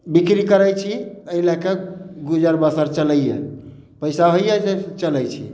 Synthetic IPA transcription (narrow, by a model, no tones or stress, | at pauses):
bikɾikəɾəjt͡ʃʰiəilakeɡud͡ʒəɾbəsəɾt͡ʃələjɛ̰ | pəɪsaɦojjɛset͡ʃələjt͡ʃʰḭ